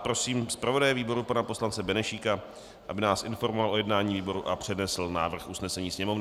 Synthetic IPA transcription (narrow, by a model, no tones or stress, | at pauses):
pɾo̞siːmspɾavo̞dajɛviːbo̞ɾupanapo̞slant͡sɛbɛnɛʃiːka | ʔa̰bɪnaːsʔɪnfo̞ɾmovalʔo̞jɛdnaːɲiːviːbo̞ɾuʔapr̥ɛdnɛsl̩na̰ːvr̩xʔusnɛsɛɲiːsɲɛmo̞vnɪ